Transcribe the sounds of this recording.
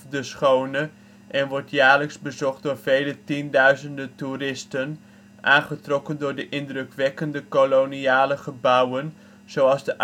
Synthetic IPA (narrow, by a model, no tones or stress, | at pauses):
dəsχownə | ʔɛnʋɔɹtjaːɹləksbəzɔχt̚dʊːɹv̥ejlətindœɥzəndəturɪstən | ʔaːnχətrɔkəndʊːɹdəʔɪndrɵkʋɛkəndəkoloniaːləχəbʌwən | z̥owɑlˠzdəʔ